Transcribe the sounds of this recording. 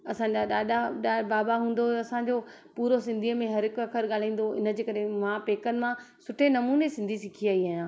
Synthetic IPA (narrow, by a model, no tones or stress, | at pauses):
ɐsãːɲd͡ʑaɗaːɗaɗaːbaːbaɦũːn̆d̪oɐsãɲd͡ʑo | puːɾosɪ̃nd̪ʱimẽɦɐɾɪkɐkʰəɾɠaːl̤ãĩːn̆d̪oɪ̰nə̆d͡ʑeːkɐɾemãpeːkənɪ̆mãsʊʈʰenɐmuːnesɪ̃nd̪ʱisɪkʰiaːiaːɦjãː